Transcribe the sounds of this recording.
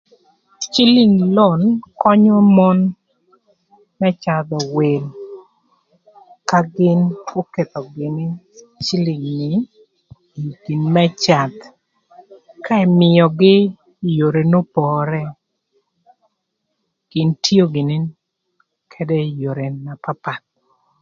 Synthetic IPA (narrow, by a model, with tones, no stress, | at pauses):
t͡ʃi˦lɪ˨ŋlo˦˨nkɔ˦ɲo˦mɔ˦n | mɛ˦t͡ʃa˨d̪ɔ˨we˨l | ka˦ɡɪ˦no˦ke˨t̪ɔ˨ɡɪ˨nɪ˦ | t͡ʃi˦li˨ŋnɪ˨ | i˨ɡ̥i˨nmɛ˦t͡ʃa˨d̪ | ka˦ɛ˨mɪ˨ɔ˨ɡɪ˦ | jo˨ɾe˨no˦pɔ˨ɾɛ˦ | ɡ̥ɪ˨ntʰi˦o˦ɡɪ˨nɪ˦ | kʰɛ˦dɛ˦jo˨ɾe˨na˨pa˦pa˨t̪̚